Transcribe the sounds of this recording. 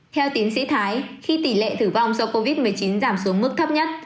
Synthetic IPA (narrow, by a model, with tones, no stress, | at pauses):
t̪ʰɛ˧wt̪i˨˦ənsḭ˧˥t̪ʰaː˨˦jxi˧t̪i˧˩lḛ˧˨t̪ɨ˧˩va˧˩wŋ͡mso˨˦ko˧vi˦˥t̚mɨ˨˩əjt͡ɕi˨˦nzaː˧˩msu˨˦əŋmɨ˦˥k̚t̪ʰə˦˥p̚ɲə˦˥t̚